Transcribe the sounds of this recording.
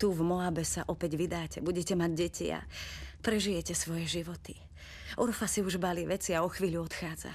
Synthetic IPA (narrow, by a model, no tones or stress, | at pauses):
t̪uvmɔabɛsaʔɔpɛɟʋid̪aːcɛbuɟɛcɛmaɟ̚ɟɛcʰḭa̰pɾɛʒijɛcɛsʋɔjɛʒiʋɔt̪i | ɔɾfasiuʒbaliʋɛt͡siaɔxʋiːʎuɔt̪xaːd͡za̰